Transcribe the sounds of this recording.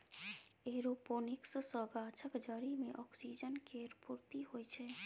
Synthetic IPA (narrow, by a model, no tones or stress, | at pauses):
eɾoponikssɔɡat͡ʃʰəkd͡ʒɔɾimeʔɔksid͡ʒənkeɾpuɾt̪iɦojt͡ʃʰe